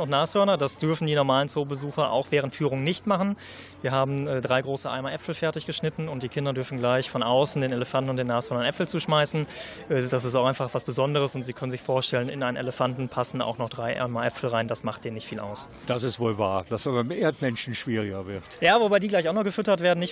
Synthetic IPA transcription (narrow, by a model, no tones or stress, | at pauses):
ʊntnaːshœɐnɐdasd̥ʏɐfn̩diːnɔɐmaːlənt͡soːbəzuːxɐʔa̰ʊxv̥ɛːʁəntfyːʁ̞ʊŋnɪçtmaχn̩ | viːɐɦaːbm̩ɛːdʁaɪɡʁoːsəʔa̰ɪmaʔɛfl̩fɛɐtɪçɡ̥əʃnɪtn̩ʊnt̚d̥iːkʰɪndɐdʏɐfn̩ɡlaɪçfɔnʔaʊsn̩deːneləfantn̩ʊntd̥eːnaːshœɐnɐnʔɛpfl̩t͡suːʃmaɪsn̩ | ʔɛːd̥as̬ɪstaʊxaɪnfaχv̥asb̥əzɔndəʁ̞əsʊntz̥iːkʰœnən̩zɪçfoːɐʃtɛlənɪ̰nʔaɪnənʔḛləfantn̩pʰasn̩a̰ʊxnɔχd̥ʁaɪʔa̰ɪmaʔɛpfl̩ʁaɪndasmaχt̚d̥eːnːɪçtfiːla̰ʊs | d̥asɪstv̥oːlva̰ːɐd̥asabamʔeːɐtmɛnʃn̩ʃv̥iːʁɪɡɐvɪɐtjaːvobaɪdiːɡlaɪçaʊxnɔχɡ̥əfʏtɐtv̥eːɐdn̩nːɪç